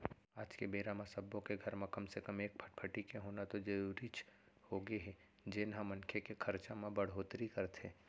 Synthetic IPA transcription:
aːd͡ʒkebeːɾamãsɐbːõkeɡʱɐɾmẽkɐmsekəmeːk̚pʰəʈpʰəʈikeɦoːnat̪od͡ʒɐɾuːɾit͡ʃ | hoːɡeɦɛ | d͡ʒɪːnɦãmɐ̃nkʰekekʰɐɾt͡ʃamẽbɐɽ̤ɦoːt̪ɾikɐɾt̪ɦẽː

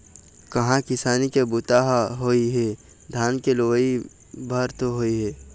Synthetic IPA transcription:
kɐɦãkɪsaːnikebʊt̪aːɦɦoːiɦe | d̪ʱaːnkeloʋi | bʱɐɾt̪oɦoːiɦɛː

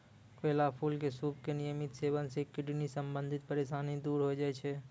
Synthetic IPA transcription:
keːlapʰuːlkesuːpkenijəmɪt̪seːʋənsekɪɖnisə̃mbə̃nd̪ʱɪt̪̚pəɾeːʃaːnɦĩd̪uːɾɦod͡ʒaːet͡ʃʰɛ

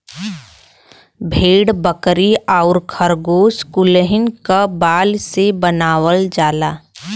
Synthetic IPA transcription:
bʱeːɽbəkɾiaʊɾkʰəɾɡoːskʊləɦɪnkabaːlsebənaːwəld͡ʒaːlaː

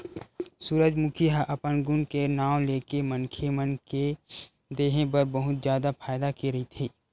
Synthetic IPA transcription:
suːɾəd͡ʒmʊkʰiɦaʔɐpənɡʊnkenaːw̃leːkemənkʰemənke | d̪eːɦẽbɐɾbɐɦʊt̪d͡ʒjaːd̪apʰaːjd̪akiɾɐɦit̪ʰiː

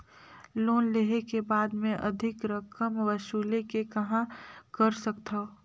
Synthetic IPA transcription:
loːnleɦekebaːd̪mẽʔɐd̪ʱɪkɾɐkəmʋɐʃuːlekekɐɦãkɐɾsɐkt̪a

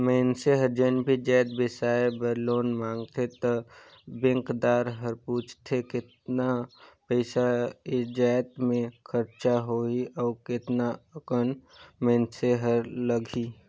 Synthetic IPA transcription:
mɛnseɦəɾd͡ʒenbʱid͡ʒɛːt̪̚bɪsaːebəɾloːnmãːŋɡt̪ʰet̪ɔ | bɪ̃ŋkd̪aːɾɦəɾpuːt͡ʃʰt̪ʰekɪt̪napəɪsaed͡ʒaːt̪mẽkʰəɾt͡ʃaɦoːiɔːɾkɪt̪naəkənmɛ̃ːnseɦəɾləɡʱi

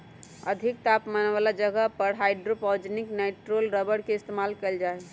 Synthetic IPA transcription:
ə̰d̪ʱik̚t̪apmənʋalad͡ʒəɡəɦpəɾɦaɪɖɾopɔd͡ʒnikneʈɾolɾəbəɽkest̪emalkəld͡ʒae

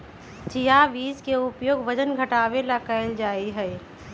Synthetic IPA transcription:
t͡ʃijaʋiːskeʊpjoːɡʋəd͡ʒənɡʱɐʈaːʋelakəɪld͡ʒaːiɦɛː

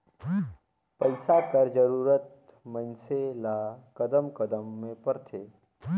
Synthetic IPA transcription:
pəɪsakəɾd͡ʒəɾuːɾət̪̚ | mə̃nselakəd̪əmkəd̪əmːẽpɐɾt̪ʰeː

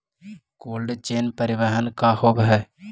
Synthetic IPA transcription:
koːlɖt͡ʃeːnpəɾɪʋəɦənkahoːbɦɛː

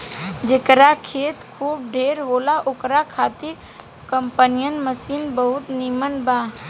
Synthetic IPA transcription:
d͡ʒekɾakʰeːt̪kʰuːb̚ɖʱeːɾɦoːlaʔʊkɾakʰaːt̪i | kəmpənijənməsiːnbəɦʊt̪niːmənbaː

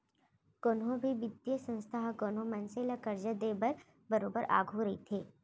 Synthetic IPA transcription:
koːnɦõbʱiʋɪd̪jəsə̃nst̪ʰaɦkoːnɦõmɐnselɐkɐɾd͡ʒəd̪eːbɐɾ | bɐɾoːbəɾʔa̰ːɡʱɦoɾɐḭt̪ʰeː

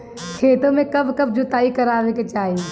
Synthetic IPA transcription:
kʰeːt̪õmẽkɐbkɐb̚d͡ʒʊt̪aːikɐɾaːʋeket͡ʃaːɦi

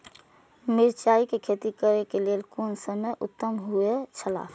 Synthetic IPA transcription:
mɪɾt͡ʃaːikekʰeːt̪ikəɾekeleːlkoːnsəməjʔʊ̰t̪ːəmɦʊet͡ʃʰəla̰ːfʰ

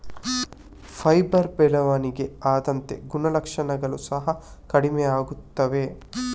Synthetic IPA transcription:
fʰɐjbɐɾbɛlɐʋaːniɡe̞aːd̪ɐnt̪e̞̰ɡunɐlɐkʂɐnɐɡɐɭusɐɦɐkɐɽimeaːɡut̪ːɐʋe̞

